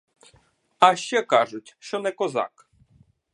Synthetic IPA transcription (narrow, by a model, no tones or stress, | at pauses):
ɐʃt͡ʃɛkɑʒʊtʲʃt͡ʃɔnɛkɔzɑ̰k